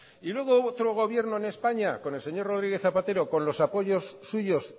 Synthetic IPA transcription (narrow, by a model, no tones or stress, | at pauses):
ilwe̞ɣ̞oot̪ɾo̞ɣ̞o̞βje̞ɾno̞ene̞spaɲako̞ne̞lseɲo̞ro̞ð̞ɾiɣe̞θapat̪e̞ɾo̞ko̞nlo̞sapo̞ʝo̞sːuʝo̞s